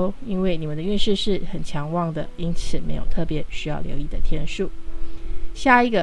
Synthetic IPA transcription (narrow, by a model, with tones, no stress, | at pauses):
i˦˥nwe˥˩ɪni˨˩mə˨˦nd̪ə˧y˥˧nʂɻ̩˥˧ʂɻ̩˥˩xə˨˩nt͡ɕʰjɑ˧˥ŋwɑ˥˩ŋd̪ə˨i˥ŋt͡s̩ʰ˨˩me˧˥ɪjo˨˩ʊt̪ʰɤ˥˩pjɛ˨˧˥ɕy˥jɑ˥˩ʊljo̰˧˥ʊi˥˩d̪ə˩t̪ʰjɛ˥nʂu˥˩ | ɕja˥˩i˧˥ɡə˨